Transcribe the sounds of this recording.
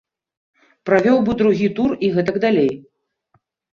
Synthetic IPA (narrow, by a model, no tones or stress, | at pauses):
pɾavʲɔwbɨd̪ɾuɣʲit̪uriɣɛt̪ɐɡd̪alʲej